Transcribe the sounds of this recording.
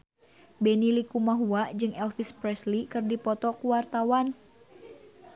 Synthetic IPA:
bɛnilikumaɦuad͡ʒɨŋɛlfispɾɛslikɨrdipɔt̪ɔkuwart̪awan

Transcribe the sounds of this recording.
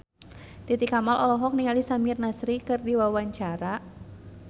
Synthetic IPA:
t̪it̪ikamalʔɔlɔɦɔk̚niŋalisamirnasɾikɨrdiwawaɲt͡ʃaɾa

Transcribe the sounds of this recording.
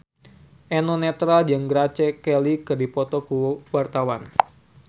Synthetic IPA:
ʔɛnɔnɛt̪ɾald͡ʒaŋɡɾat͡ʃɛkɛlikɨrdipɔt̪ɔkuwart̪awan

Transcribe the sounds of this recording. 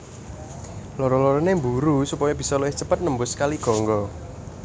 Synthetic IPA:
loɾɔlɔɾɔnembuɾusupɔjɔb̥i̤sɔloɪht͡ʃəpət̪̚nəmbʊskaliɡ̥ɔ̤ŋɡɔ

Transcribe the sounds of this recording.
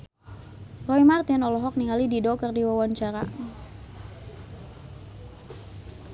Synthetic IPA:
rɔimart̪ɪnɔlɔɦɔk̚niŋalididɔkərdiwawant͡ʃaɾa

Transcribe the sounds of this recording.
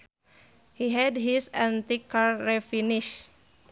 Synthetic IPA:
hiɦɛdɦisãnt̪ikaɾːɛfiniʃ

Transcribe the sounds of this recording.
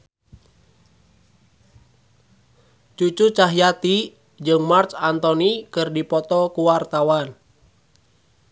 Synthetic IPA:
t͡ʃut͡ʃut͡ʃaɦijat̪i | d͡ʒɨŋmart͡ʃant̪ɔnikɨrdipɔt̪ɔkuwart̪awan

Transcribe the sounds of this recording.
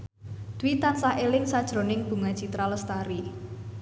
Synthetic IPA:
d̪̥uwit̪ansaʔelɪŋsad̥ʒ̥ɾo̤nɪŋb̥ṳŋat͡ʃit̪ɾaləst̪aɾi

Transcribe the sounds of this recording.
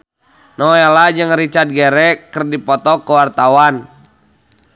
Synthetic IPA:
nɔelad͡ʒɨŋɾit͡ʃard̪̚ɡɛɾɛkərdipɔt̪ɔkəwart̪awan

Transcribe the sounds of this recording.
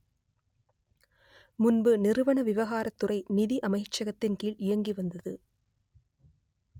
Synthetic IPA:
mʊnbɯnɪɾɯʋɐɳɐʋɪʋɐɣaːɾɐt̪ːɯrɐɪnɪðiʔɐmɐɪt͡ʃːɐɣɐt̪ːɪnkiːɭʔɪjɐŋɡiʋɐnd̪ɐðɯ

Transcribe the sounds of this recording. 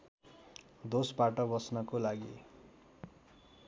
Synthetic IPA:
d̪ospaʈʌbʌsnʌkolaɡḭ

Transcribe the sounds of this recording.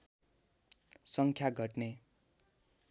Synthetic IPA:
sʌŋkʰjaɡʱʌʈne

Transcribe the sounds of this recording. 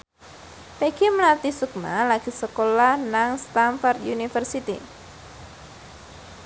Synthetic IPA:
peɡ̥iməlart̪isuk̚ma̰laɡ̥isəkolahnaŋst̪anfɔrt̪junifərsit̪ḭ

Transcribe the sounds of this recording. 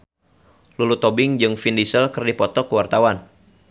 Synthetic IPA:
lulut̪ɔbɪŋd͡ʒɨŋfindisəlkɨrdipɔt̪ɔkəwart̪awan

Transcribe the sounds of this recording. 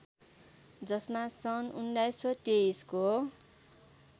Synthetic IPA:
d͡zʌsmasʌnundajsʌʈeisko

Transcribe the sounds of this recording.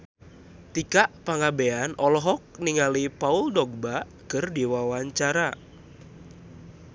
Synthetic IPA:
t̪ikaʔpaŋabeanʔɔlɔɦɔk̚niŋalipauldɔɡ̚ba | kərdiwawaɲt͡ʃaɾa

